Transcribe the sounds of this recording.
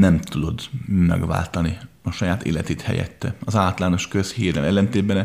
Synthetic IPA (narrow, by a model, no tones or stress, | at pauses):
nɛmt̪ud̪o̞d̪mɛ̰ɡʋa̰ːlt̪ɒni | ɒʃɒjaːt̪ḛːlɛt̪eːt̪hɛ̰jɛ̰t̪ːɛɒzaːt̪laːno̞ʃkøshiːɾɛ̰lɛlːɛnt̪eːd̪bɛn